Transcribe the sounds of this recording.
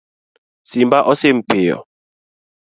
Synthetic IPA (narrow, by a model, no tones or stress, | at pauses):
simbaʔɔsem̩pejɔ̰